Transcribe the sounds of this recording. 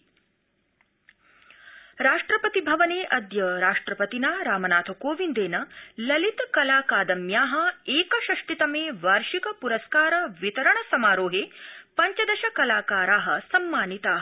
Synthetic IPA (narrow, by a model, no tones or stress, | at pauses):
ɾaːʂʈɾɐpɐt̪ibʱɐʋɐneːʔɐd̪jɐɾaːʂʈɾɐpɐt̪inaːɾaːmɐnaːt̪ʰɐkoːʋind̪eːnɐlɐlit̪kɐlaːkaːd̪ɐmjaːɦɐ̆eːkɐʃɐʂʈit̪ɐmeːʋaːɾʃikɐpuɾɐskaːɾɐʋit̪ɐɾɐɳɐsɐmaːɾoːɦeːpɐɲt͡ʃɐd̪ɐʃɐkɐlaːkaːɾaːɦɐ̆sɐmːaːnit̪aːɦɐ